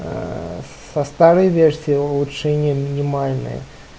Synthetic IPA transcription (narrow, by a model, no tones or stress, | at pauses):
sɐst̪aɾɨjvʲersʲijɪʊlˠut͡ʂɛnʲɪjəmʲɪnʲɪmalʲnɨ̰jə̰